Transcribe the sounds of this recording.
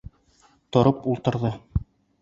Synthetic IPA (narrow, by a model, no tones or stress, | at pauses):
t̪ŏɾɤpulˠt̪ɤ̆ɾðɤ